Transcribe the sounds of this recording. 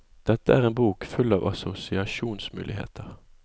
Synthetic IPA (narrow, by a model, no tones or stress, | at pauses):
d̪̥ɛt̪ːəæːʁeːnbuːkfʉlːɑːʋʔɑsʊsɪɑʃuːnsmʉ̰ːlɪhḛːt̪ʰəʁ